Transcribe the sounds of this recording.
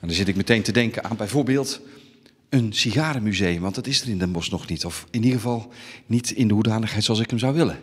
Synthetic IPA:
ɛndɔzɪtɪk̚mətejntədɛŋkəna̰ːnbɛjvoːrbeːlˠt | ənsiɣaːɾəmyzejəmʋɑntdɑtɪsərɪndəmɔsnɔxnitɔfɪniɣəvɑlˠnitɪndəɦudaːnəxɦɛjtsoɑlˠsɪkəmzawʋɪlə

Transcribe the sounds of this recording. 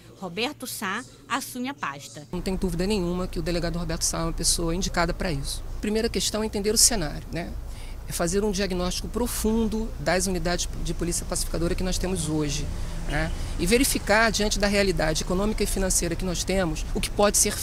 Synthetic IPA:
hobɛɾt̪ʊsa | asũmɪɐpaʃt̪ɐɐ̃t̪ẽɲʊ̃d̪uvid̪ɐnẽɲ̃ũmɐkɪʊd̪eleɡad̪ʊhobɛɾt̪ʊ̥saɛũmɐpesoɐĩɲd͡ʒikad̪ɐpɾɐisʊ̥pɾimejɾɐkeʃt̪ɐ̃w̃ɛẽt̪ẽnd̪eɾʊsenaɾʲjʊnɛ | ɛfazeɾũd͡ʒiaɡinɔʃt͡ʃi̥kʊpɾofũd̪ʊd̪ɐzunid̪ad͡ʒɪsd͡ʒɪpolisiɐpasi̥fi̥kad̪oɾɐkɪnɔst̪ẽmʊzoʒɪnɛ | ɪveɾifikaɾd͡ʒiɐ̃nt͡ʃɪd̪ɐɦealid̪ad͡ʒɪekonõmikɐɪfinɐ̃sejɾɐkɪnɔst̪ẽmʊsʊkɪ̥pɔd͡ʒɪseɾ

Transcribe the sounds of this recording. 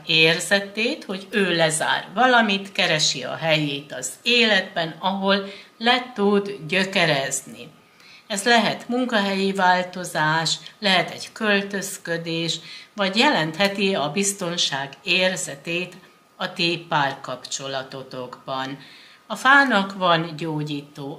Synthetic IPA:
eːrzɛt̪eːt̪ho̞ɟøːlɛza̰ːrvɒlɒmit̪kɛɾɛʃiɒ̰ɦɛjeːt̪ɒz̥eːlɛd̪bɛnɒɦo̞lːɛt̪ud̪ɟø̞kɛɾɛznḭ | ɛzlɛɦɛt̪muŋkɒɦɛjivaːlt̪o̞zaːʃlɛɦɛt̪ɛ̰ɟkølt̪ø̞skø̞d̪eːʃʋɒɟjɛlɛnt̪hɛt̪iɒbist̪o̞nʃaːɡeːrzɛt̪eːt̪ | ɒt̪eːpːaːrkɒpt͡ʃo̞lɒt̪o̞t̪o̞ɡbɒn | ɒfaːnɒkvɒnɟoːɟiːt̪oː

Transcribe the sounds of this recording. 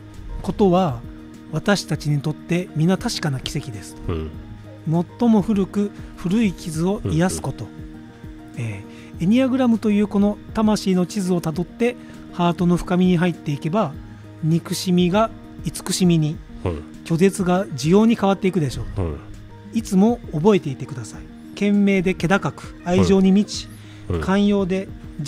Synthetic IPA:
ko̞t̪o̞βa | β̞at̪aɕi̥t̪at͡ɕiɲ̟it̪o̞t̪ːe̞mʲinat̪aɕi̥kanakʲi̥se̞kʲid̪e̞sɨ̥ | mo̞t̪ːo̞mo̞ɸɯ̟ɾɯ̟kɯ̟ɸɯ̟ɾɯ̟ikʲizɨo̞ijasɨ̥ko̞t̪o̞ | eː | eɲ̟iaɡɯ̟ɾamɯ̟t̪o̞jɯ̟ːko̞not̪amaɕiːno̞t͡ɕizɨo̞t̪ad̪o̞t̪ːe̞ | haːt̪o̞no̞ɸɯ̟̥kamʲiɲ̟iɦait̪ːe̞ike̞ba | ɲ̟ikɯ̟ɕimʲiɡa | it͡sɨ̥kɯ̟ɕimʲiɲ̟i | kʲo̞d̪e̞t͡sɨɡad͡ʑijo̞ːɲ̟ikaβat̪ːe̞ikɯ̟d̪e̞ɕo̞ː | it͡sɨmo̞ːbo̞e̞t̪eit̪e̞kɯ̟d̪asai | kẽ̞mːe̞ːd̪e̞ke̞d̪akakɯ̟̥aiʑo̞ːɲ̟imʲit͡ɕi̥ | kʰãɰ̃jo̞ːd̪e̞

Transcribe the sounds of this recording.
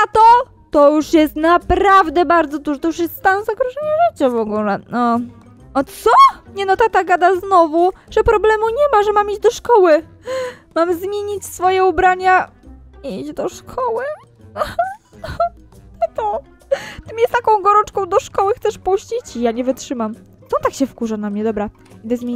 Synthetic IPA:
at̪ɔ | t̪ɔjuʂjɛst̪napɾavd̪ɛbaɾd̪zɔd̪uʐɔt̪ɔjuʂ̬jɛst̪st̪anɔ̃zaɡɾɔʐɛɲɛʐɘt͡ɕamɔɡulɛnɔ | ɔt̪sɔɲɛnɔt̪at̪aɡad̪aznɔvuʐ̥ɛpɾɔblɛmuɲɛmaʐɛmamid͡ʑd̪ɔʂkɔwɘ | mamzmʲjeɲit͡ɕsfɔjɛubɾaɲa | id͡ʑd̪ɔʂkʰɔwɘ | ɲɛt̪ɔ | t̪ɪmjɛst̪akɔ̃w̃ɡɔɾɔ̃nt͡ʂkɔ̃w̃d̪ɔʂkɔwɘxt̪sɛʂpuɕt͡ɕit͡ɕijaɲɛvɘtʂɘmam | sɔt̪akɕɛfkuʐanamɲɛd̪ɔbɾa | id̪ɛzmʲe

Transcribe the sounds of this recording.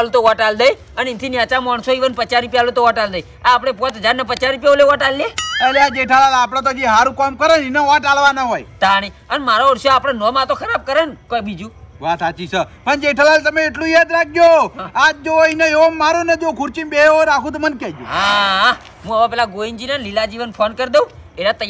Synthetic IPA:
alũt̪oʋaʈald̪əj | ənint̪ʰinjat͡ʃamɔɳsoiʋənpət͡ʃaɾipjalut̪oʋaʈald̪əj | aːpɽ̃ep̬ɔ̃t̪əd͡ʒaɾnepət͡ʃaɾip̬joleʋaʈalːeelead͡ʒeʈʰalalapɽ̃at̪̬od͡ʒiɦaɾũkəmkəɾəninəʋaʈalʋanaɦojt̪aɽ̃iənmaɾoəɽsoːpɽ̃enɔmãt̪okʰəɾab̚kəɾənkobid͡ʒũʋat̪at͡ʃisʰəpəɳd͡ʒeʈʰalalt̪əmeːʈlũjad̪ɾak̚ʰd͡ʒoad͡ʒoinəeʋəmːaɾoned͡ʒokʰʊɾt͡ʃinbeɦoɾakʰũt̪mənkɛd͡ʒo̰ɦaɦa | ɦũaʋãpɛːlaɡoind͡ʒinalilad͡ʒiʋənpʰonkəɾd̪eũ | eɾat̪əj

